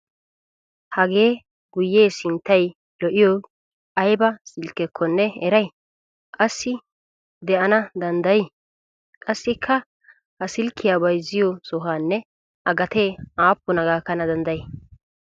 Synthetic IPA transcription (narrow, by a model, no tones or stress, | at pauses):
hɐɡe̞ː | ɡ̥ʊjːe̞ːsɪnt̪ːɐj | lɔʔɪjɔ | ʔɐjbɐsɪlkːɛkʰːɔnːɛɛɾɐj | kʼɐsːɪ | d̪ɛʔɐnɐd̪ɐnd̪ɐjɪ | kʼɐsːɪkʰːɐ | hɐsɪlkʰːɪjaːbɐjzɪjɔsɔɦaːnːɛ | ʔɐɡɐt̪e̞ːaːpːʊnɐɡaːkːɐnɐd̪ɐnd̪ɐjɛ